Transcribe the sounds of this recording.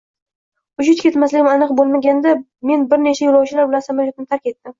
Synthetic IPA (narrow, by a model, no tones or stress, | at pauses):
ʊʃɪt̪kʲʰe̞t̪maslɪɡʲɪmanɨqbolˠmaɡʲand̪a | me̞nbɪɾne̞t͡ʃʰajolˠɒwt͡ʃʰɪlaɾbɪlansamaɾjot̪ɪnɪt̪ʰaɾkʲe̞t̪ːɪm